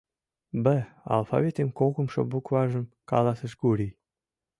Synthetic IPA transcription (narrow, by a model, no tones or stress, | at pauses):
bəɑ̰lˠfɑ̰vʲet̪emkoɣəmʃo̰bukvɑʒə̆m | kɑ̰lɑsə̆ʃkuɾi